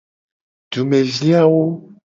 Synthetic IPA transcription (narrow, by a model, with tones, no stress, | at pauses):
ɖu˨mẽ˨vi˦a˦wo˦